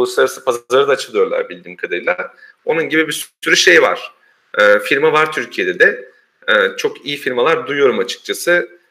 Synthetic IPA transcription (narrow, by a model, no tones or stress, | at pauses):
olˠusˠaɾasɯpʰazaɾɯd̪aːt͡ʃʰɯlˠɯjo̞ɾlˠa̰ɾbilʲd̪iːmkʰad̪aɾɯlˠaɾ̥ | o̞nunɟibibisyɾyʃe̞jva̰ɾ̥ | ɛːfiɾmavaɾt̪ʰyɾcʰijed̪ɛd̪ɛ | ɛːt͡ʃʰo̞kijifiɾmalˠaɾd̪ujjo̞ɾumat͡ʃʰɯ̥k̚t͡ʃʰasɯ